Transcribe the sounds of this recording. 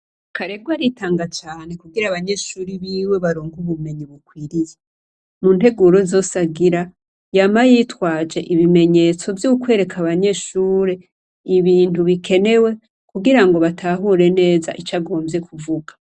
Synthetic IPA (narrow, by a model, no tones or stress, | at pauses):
kʰaɾeɡwaɾitaːŋɡat͡ʃaːne̞kuɡiɾaβaɲe̞ʃuːɾiβiwe̞βaɾoːŋɡuβume̞ɲiβukwiːɾije | munte̞ɡuɾo̞zo̞saɡiɾa | jamajitwaːd͡ʒe̞ʔiβime̞ɲe̞ːt͡so̞vjukwe̞ːɾe̞kʰaβaɲe̞ʃuːɾe | iβiːntuβikʰe̞ne̞we̞ | kuɡiɾaŋɡo̞βatʰaɦuɾe̞ne̞ːza̰ʔit͡ʃaɡo̞ːmbje̞kuvuɡḁ